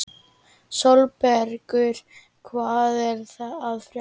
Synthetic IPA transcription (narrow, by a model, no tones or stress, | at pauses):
sɔlpɛɾkʏɾ̥ | kʰvaːðɛɾ̥θaðaðfɾja